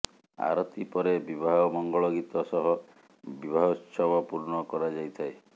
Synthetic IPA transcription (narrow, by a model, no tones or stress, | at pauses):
a̰ɾɔt̪ipɔɾebibʱaɦɔmɔŋɡɔɭɔɡit̪ɔsɔɦɔ | bibʱaɦɔtsɔbʱɔpuɾɳɔkɔɾad͡ʒajt̪ʰae